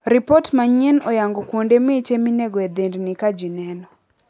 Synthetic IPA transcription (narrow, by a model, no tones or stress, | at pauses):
ɾipɔtmaɲɛnɔjaŋɡɔkwondemet͡ʃemineɡɔɛed̪endnikad͡ʒinɛnɔ